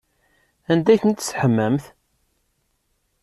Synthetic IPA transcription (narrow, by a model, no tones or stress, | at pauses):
ænd̪æçənt̪ːsħəmːəmθ